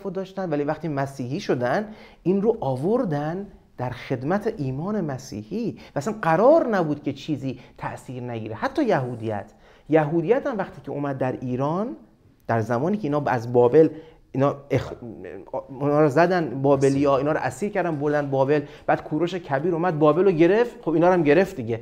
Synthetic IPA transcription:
fod̪ɒːʃt̪ænd̪væliːvæχt̪imæsiːhiːʃod̪ænd̪ | inɾoʔɒːvoɾd̪æn | d̪̥æɾxe̞d̪mæt̪ʰeʔiːmɒːne̞mæsḭːhiːvææsænɢæɾɒːɾnæbuːd̪̥̚kʰʲe̞t͡ʃʰiːziːt̪ʰæʔsiːɾnæɟiːɾehæt̪ʰːɒːjæɦuːd̪ijæ̰t̪ʰ | jæɦuːd̪ijæt̪æmvæxt̪ʰiːcʰeomæd̪̚ːæɾiːɾɒːn | d̪̥æɾzæmɒːniːcʰeiːnɒːæ̰zbɒːbe̞l | inːe | nɒːɾɔzæd̪ænbɒːbelijɒːiːnhɒːɾɔ̰ʔæsiːɾkʰæɾd̪ænbo̞ɾd̪ænbɒːbelb̥æːd̪̥kʰuːɾoʃecʰæbiːɾomæd̪̚bɒːbe̞loɟe̞ɾe̞fxobiːnɒːɾæmɟe̞ɾe̞ft̪d̪iɟe

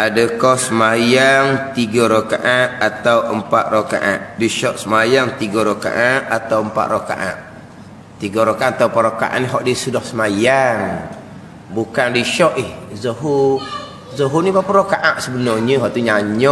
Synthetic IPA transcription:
adəkɔhsəmajaŋt̪iɡaɾokaʔaʔ̪̚at̪awəmpat̪̚roka̰ʔa̰ʔdiʃɔʔsəmajaŋt̪iɡaɾoka̰ʔaʔ̪at̪awəmpa̰ʔ̪roka̰ʔã̰ʔ | t̪iɡaɾokaʔat̪awpaʔ̪ɾoka̰ʔa̰ʔniɦɔʔdisudahsəmajaŋ | bukandiʃɔʔihzaɦu | zəɦunibapaɾokaʔaʔsəbənɔɲəɦɔʔt̪uɲaɲɔ

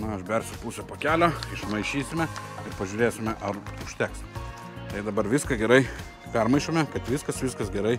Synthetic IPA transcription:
nʊɐʃbʲɛrʲsʲʊpuːsʲɛpoːkʲæːlʲoːɪʃmɐɪʃʲiːsʲɪmʲɛɪɾpɐʒʲuːɾʲeːsʲɪmʲɛʔɐrʊʃʲt̪ʲæːks | t̪ɐɪd̪ɐbɐɾʋʲɪskɐɡʲɛɾɐɪ | pʲɛrmɐɪʃʲoːmʲɛkɐt̪ʋʲɪskɐsʋʲɪskɐsɡʲɛɾɐɪ

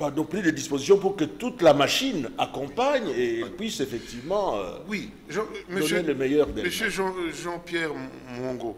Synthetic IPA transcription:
pad̪ɔ̃plid̪əd̪ispozis̬jɔ̃puʁkət̪ut̪lamaʃinakɔ̃paɲeɛlpɥisefɛk̚t̪ivmɑ̃ø̰wi | ʒɑ̃məd̪ɔneləmejœʁd̪ɛməsøʒɑ̃ʒɑ̃pjɛʁ | mɔ̃ɡo

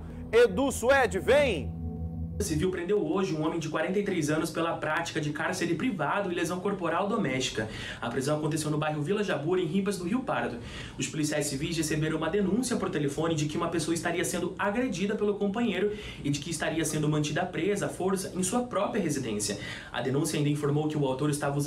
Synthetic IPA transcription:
ed̪usuɛd͡ʒɪvẽj̃ | ɐsiviwpɾẽnd̪ewoʒɪũõmẽj̃d͡ʒɪkwaɾẽnt̪ɐejt̪ɾejzɐ̃nʊspelɐpɾat͡ʃi̥kɐd͡ʒɪkaɾseɾɪpɾivad̪ʊɪlezɐ̃w̃koɾpoɾawd̪omɛst͡ʃi̥kɐ | ɐpɾizɐ̃w̃ɐkõnt̪̬esewnʊbajɦʊvilɐʒabuɾẽj̃ɦipɐzd̪ʊɦiwpaɾd̪ʊ | ʊspʊlisiajssivis̬hesebeɾɐ̃w̃umɐd̪enũsiɐpɐɾʊt̪elefõnɪd͡ʒɪkɪũmɐpesoɐist̪aɾiɐsẽnd̪ʊaɡɾed͡ʒid̪ɐpelʊkõpɐ̃ɲejɾʊ | ɪd͡ʒɪkɪːst̪aɾiɐsẽnd̪ʊmɐ̃nt͡ʃid̪ɐapɾezɐafoɾsɐʔẽj̃suɐpɾɔpɾiɐɦezid̪ḛ̃sijɐ | ɐ̰d̪enũsjɐãd̪ɐĩfoɾmowkɪʊawt̪oɾɪst̪avɐuz

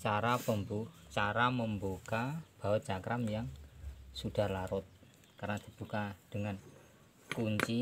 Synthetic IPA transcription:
t͡ʃaɾapəmbut͡ʃaɾaməmbokab̥a̤wəd͡ʒakɾamjaŋsuɖ̪̥a̤laɾʊt̪̚ | kaɾanad̪̥i̤b̥ṳkad̪̥əŋan | kuɲt͡ʃi

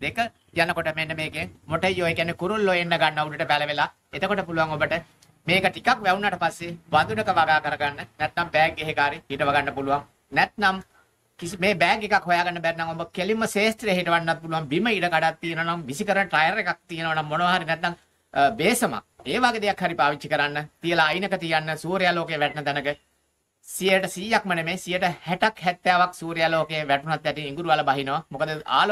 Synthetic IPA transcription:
d̪ekə | janəkoʈəmenːəmeːɡeŋmoʈəjːoːekænːekuɾulːojenːəɡanːəuɖəʈəpæləʋelaː | et̪əkoʈəp̬uluʋaŋobəʈə | meːkəʈikakʋɛunːaʈəpasːeʋand̪unəkəʋaɡaːkəɾəɡanːənɛt̪nambɛːɡeɦekaːɾihiʈəʋaɡanːəpuluʋaŋ | nɛt̪nam | kisimeːbɛːɡekakhojaːɡanːəbæɾinaŋobəkelimːəseːsʈiɾeɦiʈəʋaɳːat̪̚puluʋaŋbiməiʈəkaɖat̪ːijənəʋɐnaŋʋisikəɾənəʈɾɐjəɾekak̚t̪ijənəʋɐnaŋːonəʋaɦaɾinɛt̪ːaŋ | beːsəma̰eːʋaːɡed̪ejakhaɾipaːʋit͡ʃʃikəɾanːət̪ijəlaːjnəkət̪ijanːəsuːɾijaːloːkejəʋæʈnət̪ɛnəkə | sijəʈəsijak̚mənemeːsijəʈəhæʈakhɛt̪ːjaːʋaksuːɾijaloːkejəʋæʈunat̪ːɛʈiiŋɡuɾuʋaləbaɦinoʋamokəd̪əa̰ːl

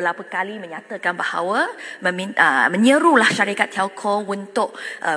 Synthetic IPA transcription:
bəlapəkalimə̃ɲãt̪əkanbaha̰wəməmiə̰mə̃ɲəɾulahʃaɾikat̪ʰːalkʰount̪ʊʔ̚ʔə

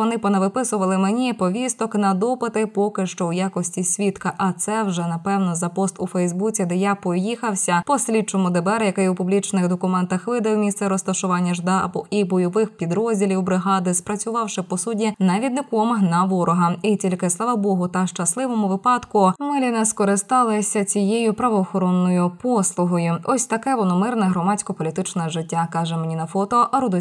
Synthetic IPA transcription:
ɔnɪpɔnɛʋɪpɪsʊʋɐlˠɪmenʲipɔʋʲist̪ɔknɐd̪ɔpɪt̪ɪpɔkɪʃt͡ʃɔwjakɔsʲtʲisʲʋʲit̪kɐʔɐt̪sɛwʒɛnɐpɛwnɔzɐpɔst̪ʊfɛjzbut͡sʲid̪ɛjapɔjixɐwsʲɐpɔsʲlʲit͡ʃɔmʊd̪ɪbɛɾjɐkɪjwpʊblʲit͡ʃnɪxd̪ɔkʊmɛnt̪ɐxʋɪd̪ɐwmʲist̪sɛɾɔst̪ɐʃʊʋɑnʲːɐʒd̪aɐ̰bɔʔibɔjɔʋɪxpʲid̪ɾɔzʲdʲilʲiwbɾɪɦɑd̪ɪspɾɐt͡sʲʊʋɑwʃɪpɔsudʲinɐʋʲid̪nɪkɔmnɐʋɔɾɔɦɐitʲilʲkɪsˠɑʋɐbɔɦʊt̪ɐʃt͡ʃɐslˠɪʋɔmʊʋɪpɑd̪kʊmɪlʲinɛskɔɾɪst̪ɑlˠɪsʲɐt͡sʲijejʊpɾɐʋɔːxɔɾɔnːɔjʊpɔslˠʊɦɔjʊɔsʲt̪ɐkɛʋɔnɔmɪrnɛɦɾɔmɑt͡sʲkɔpɔlʲit̪ɪt͡ʃnɛʒɪtʲːakɑʒɛmenʲinɐfɔt̪ɔʔɾud̪ɔ

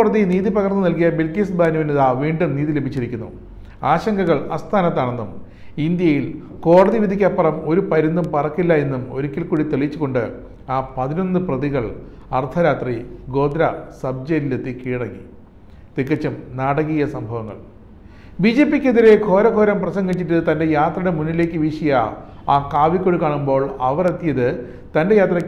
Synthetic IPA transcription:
ɽɐðiniːðipɐɣɐrnːɨnɐlkijɐbilkisbaːnuʋinuðaʋiːɳɖumniːðile̞bʱit͡ɕːiɾikʲːunːṵ | aːɕɐŋɡɐɣɐɭɐ̰st̪ʰaːnɐt̪ːaːɳe̞nːum | ind̪jɐjil | ko̞ːɽɐðiʋid̪ʱikʲːapːɐrɐmo̞ɾupɐɾund̪umpɐrɐkːilːɐe̞nːumo̞ɾukʲːilkuːɽit̪eɭit͡ɕːuɣo̞ɳɖɨ | aːpɐðinonːɨprɐðiɣɐɭ | ɐrt̪ʰɐɾaːt̪riɡo̞ːd̪ɾɐsɐb̚d͡ʑeɾilet̪ːikiːɽɐŋːḭ | t̪ikːɐt͡ɕːumnaːɽɐɣijɐsɐmbʱɐʋɐŋːɐ̰ɭ | biːd͡ʑe̞ːpːikʲːeðiɾe̞ɡʰʱo̞ːɾɐɡʱo̞ːɾɐmprɐsɐŋɡit͡ɕːiʈːɨt̪ɐnde̞jaːt̪rɐɽe̞munːile̞ːkːɨʋiʂɐjɐ | aːkaːʋikʲːoɻikaːɳumbo̞ːɭɐʋɐre̞t̪ːijɐðɨ | t̪ɐnde̞jaːt̪rɐkː

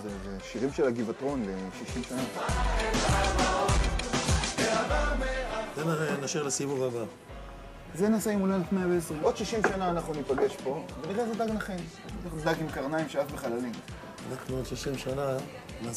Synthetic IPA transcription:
zezeʃiʁimʃelaɡivatʁo̞nleʃiʃimʃana | zenaʁenaʃeʁlesibuʁaba | zenaseimulelefmeaveesʁimod̥̪ʃiʃimʃanaːnaχnunipaɡe̞ʃpo̞veniχazedaɡnaχen | tad̪aɡimkaʁnaimʃeakbeχalalim | ʁakmuod̪ʃiʃimʃana | na

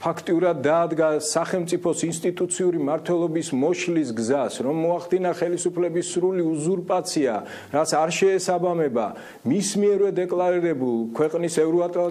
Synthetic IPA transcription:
pʰakʰt̪ʼiuɾad̪ːaːd̪ɡasaχɛlˠmt̪sʼipʰɔsinst̪ʼit̪ʼut̪sʰiuɾimaɾt̪ʰwɛlˠɔbismɔʃlis̬ɡzasɾɔmːɔaχd̪inaχɛlisupʰlɛbisːɾuliuzuɾpʼat̪sʰia̰ | ɾat̪sʰaɾʃɛːsabamɛba̰ | mismiɛɾvɛd̪ɛkʼlˠaɾiɾɛbulˠkʰwɛqʼnisɛvɾɔat̪ʼla

